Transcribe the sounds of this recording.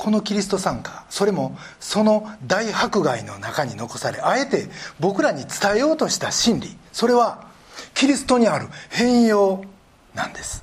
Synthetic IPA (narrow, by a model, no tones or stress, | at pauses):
kʰo̞no̞kʲiɾʲisɨ̥t̪o̞sãŋkḁso̞ɾe̞mo̞ | so̞no̞d̪aihakɯ̟ɡaino̞nakaɲ̟ino̞ko̞saɾe̞ae̞t̪e̞bo̞kɯ̟ɾaɲ̟it͡sɨ̥t̪ae̞jo̞ːt̪o̞ɕi̥t̪aɕĩnɾʲiso̞ɾe̞βa | kʲiɾʲisɨ̥t̪o̞ɲ̟iaɾɯ̟hẽ̞ɰ̃jo̞ː | nã̰nd̪e̞sɨ̥